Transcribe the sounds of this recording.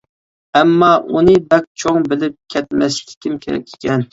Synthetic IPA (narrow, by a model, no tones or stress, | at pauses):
ɛmːɑʔunɨbɛk̚ʲt͡ʃʰoŋbɪlɪp̚kʲʰɛt̪̚mɛskʲʰɪ̥kʲʰimkʲʰeɾɛ̰kʲʰːi̥kʲʰɛn